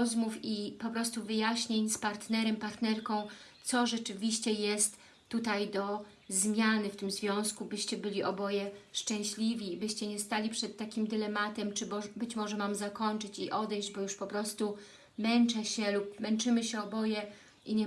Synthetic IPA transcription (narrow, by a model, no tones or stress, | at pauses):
zmufipɔpɾɔst̪uvɘjaɕɲeɲspaɾt̪nɛɾɛmpaɾt̪nɛɾkɔ̃w̃t̪sɔʐɛt͡ʂɘvʲiɕt͡ɕɛjɛst̪ː | ut̪ajd̪ɔ | zmʲjanɘft̪ɘmzvʲjɔ̃w̃skubɘɕt͡ɕɛbɘlʲiʔɔbɔjɛʂt͡ʂɛ̃w̃ɕlʲivʲiːbɘɕt͡ɕɛɲɛst̪alʲipʂɛt̪ːakʲimd̪ɘlɛmat̪ɛmt͡ʂɘbɔbɘt͡ɕmɔʐɛmamzakɔɲt͡ʂɘt͡ɕiʔɔd̪ɛjʑd͡ʑbɔjuʂpɔpɾɔst̪u | mɛnt͡ʂɛɕɛlupmɛnt͡ʂɘmɘɕɛɔbɔjɛ | iɲɛ